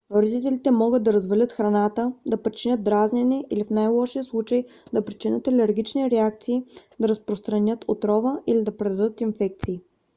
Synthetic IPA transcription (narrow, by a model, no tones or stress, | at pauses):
oɾd̪it̪ɛlʲit̪ɛmɔɡɤd̪ɐɾɐzvɐlʲət̪xɾɐnat̪əd̪ɐpɾit͡ʃinʲət̪̚d̪ɾaznɛnɛʔilifnajlˠɔʃiəslˠut͡ʃəjd̪ɐpɾit͡ʃinʲət̪ɐlɛɾɡʲit͡ʃniɾɛak̚t̪siːd̪ɐɾəspɾost̪ɾɐnʲɤt̪ʰot̪ɾɔvəilid̪ɐpɾɛd̪ɐd̪ɤt̪infɛk̚t̪siː